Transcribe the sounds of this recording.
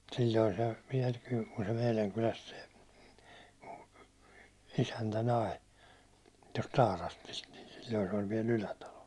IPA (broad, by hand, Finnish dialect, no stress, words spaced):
silʲːoi se ʋiɛl kyl ku se meilæŋ kylæst se isæntæ nɑi tost tɑːrɑstist ni silʲːoi se olʲ ʋiɛl ylætɑlo